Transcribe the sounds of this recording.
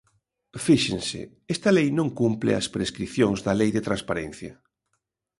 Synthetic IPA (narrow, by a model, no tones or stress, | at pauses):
fiʃẽnsɪ̰ | ɛst̪ɐlejnõŋkumplɪ̰ɐ̰spɾeskɾiθjoŋzðɐlejðet̪ɾanspaɾẽn̟θjɐ̰